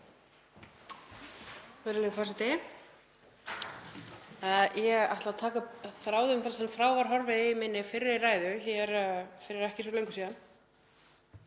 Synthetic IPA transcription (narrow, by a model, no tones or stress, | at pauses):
vɛɾɪlɛɣfaːsɪt̪ɪ | jɛɣa̰ht̪lat̪ʰaːkaθɾaːwðʏmθalsɛmfɾaːwvaɾ̥ɦɔɾvɪðmɪnːɪfɪɾɪɾɪraːjðʏçɛɾfɪɾɪɾɛhcɪsvɔlejŋkʏsiːðan